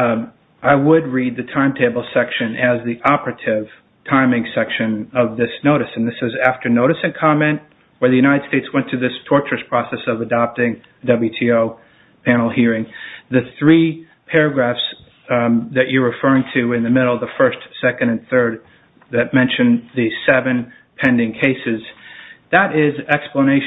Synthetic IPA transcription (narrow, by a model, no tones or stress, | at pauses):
ʔaɪwəd̚ɹid̪̚ðɨtʰãɪ̃mtʰeɪbl̩ˠsɛkʃɨ̃nɨzðiʔɑpɹɨɾɪv̥ | tʰãɪ̃mɪ̃ŋsɛkʃɨ̃nʌvðɪsnoʊɾɨsn̩ðɪsɨzæftə˞noʊɾɨsɨ̃nkʰɑmɛ̃nʔ | wə˞ðɨjʉɾnaɪɾɨd̥steɪtswɛ̃ntʰɨðɪstʰɔɹt͡ʃɹ̥ɨspʰɹ̥ɑsɛsʌvɨdɑp̚tɪ̃ŋ | ɨdʌblˠjʉtʰioʊ | pʰænl̩ˠhiɹɪ̃ŋðɨθɹi | pʰɛɹɨɡɹæfs | ðɨt͡ʃə˞ɹɨfɜ˞ɪ̃ŋtʰʉɪ̃nðɨmɪɾl̩ˠðəfɜ˞stsɛkɨ̃ndɨ̃nθɜ˞d̪̚ | ðɨt̚mɛ̃nʃɨ̃nðɨsɛvɨ̃n | pʰɛ̃ndɪ̃ŋkʰeɪsɨzðəɾɪzɛkspləñeɪʃ